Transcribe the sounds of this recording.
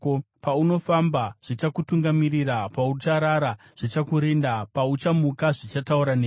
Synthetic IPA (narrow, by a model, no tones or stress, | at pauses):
pauno̞fambaʐ̥it͡ʃakutuŋɡamirirapaut͡ʃaɾaɾa | ʐ̥it͡ʃakuɾe̞ndapaut͡ʃamukaʐit͡ʃatauɾaneː